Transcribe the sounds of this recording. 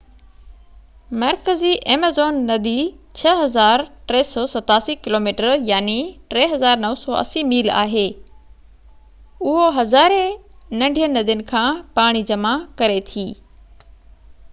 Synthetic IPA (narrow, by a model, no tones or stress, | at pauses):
mɐɾkəziʔeːmezoːnːɐd̪it͡ɕʰɐɦɐzaːɾʈɾɛːsɔːsɐt̪aːsikɪloːmiːʈəɾjaːniʈɾɛːɦɐzaːɾnɐʋsɔːʔɐ̰simiːla̰ːɦeː | ʊɦoɦɐzaːɾenɐ̃ɳɖʱijənɐd̪ijənɪ̆kʰãːpaːɽ̃id͡ʑɐmakɐɾet̪ʰiː